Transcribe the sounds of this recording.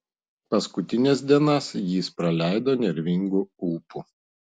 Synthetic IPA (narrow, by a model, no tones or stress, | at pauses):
pɐskʊt̪ʲɪnʲɛːsd̪ʲiɛnɐsjiːspɾɐlʲæˑɪd̪oːnʲɛɾʲʋʲɪŋɡuuːpu